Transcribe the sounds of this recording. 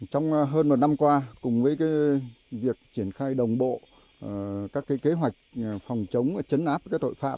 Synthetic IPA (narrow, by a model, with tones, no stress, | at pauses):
t͡ɕɔ˧wŋ͡mɦəː˧nmo˨˩t̚na˧mkwaː˧kʊ˨˩ŋ͡mvəː˨˦jkaː˨˦j | vi˨˩ək̚t͡ɕi˧˩ənxaː˧jɗə˨˩wŋ͡mɓo̰˧˨˩ | kaː˦˥kːe˨˦jke˨˦ɦwa˨˩jk̟̚fɔ˨˩wŋ͡mt͡ɕə˨˦wŋ͡mt͡ɕə˨˦nʔaː˦˥p̚kaː˨˦˥jt̪o̰˧˨jfa̰ː˧˥p̚